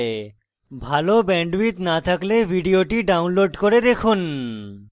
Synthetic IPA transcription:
bʱalobɛɳɖwit̪nat̪ʰaklebʱiɖioʈiɖawnloɖkoɾed̪ekʰun

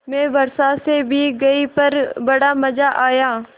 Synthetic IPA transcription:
mɛ̃ːʋɐɾsasebʱiɡɐipɐɾbɐɽaːmɐd͡ʒaʔaːjaː

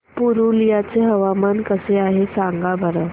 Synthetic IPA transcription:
puɾulijat͡seɦəʋamankəseaɦesaŋɡabʱəɾə

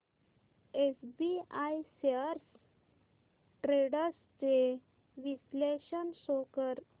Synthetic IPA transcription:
esbiajseəɾs | ʈɾeɽəst͡se | ʋisleɕənsokəɾ

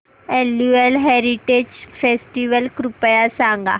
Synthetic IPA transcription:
elːuelɦeːɾiʈeːd͡ʒfeːsʈiːʋəlkɾupəjasãːŋɡa̰

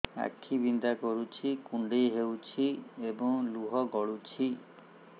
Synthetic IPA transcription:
a̰kʰːibind̪akɔɾut͡ʃʰikuɳɖejɦewt͡ʃʰiebɔŋluɦɔɡɔɭut͡ʃʰi

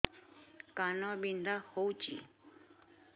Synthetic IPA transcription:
kanɔ̃bind̪ahowt͡ʃḭ

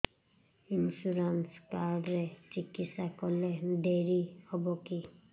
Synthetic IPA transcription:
insuɾanskaɾɖɾet͡ʃikːisakɔled̪eɾihɔboki

